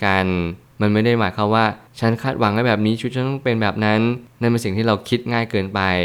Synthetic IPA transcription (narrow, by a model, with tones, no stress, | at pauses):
ka˧n | ma˧nma˥˩jda˥˩jmaː˩˦jkʰa˦˥˩waː˥˩t͡ɕʰa˦˥nkʰaː˥˩t̪̚wa˩˦ŋha˥˩bɛː˨˩p̚niː˦˥t͡ɕʰu˦˥t̪̚t͡ɕʰa˦˥t̪ɔ˥˩pe˧nbɛː˨˩p̚na˦˥nːa˥˩npe˧nsi˨˩ŋt̪ʰiː˥˩ɾa˧wkʰi˦˥t̪̚ŋaː˥˩jkɤː˧npa˧j